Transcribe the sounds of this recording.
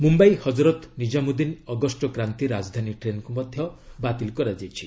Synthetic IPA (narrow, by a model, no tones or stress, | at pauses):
mumbajhɔd͡ʒɾɔt̪nid͡ʒamud̪inɔɡɔsʈɔkɾant̪iɾad͡ʒd̪ʱaniʈɾenɔkumɔd̪ʱjɔbat̪ilkɔɾad͡ʒajt͡ʃʰi